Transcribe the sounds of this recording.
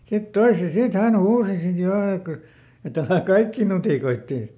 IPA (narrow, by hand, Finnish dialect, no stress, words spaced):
sit toise sit hæn huːsi sit jo ek kyl̆ et ælæˑ kɑikːiˑ nutiˑkoitːeˑ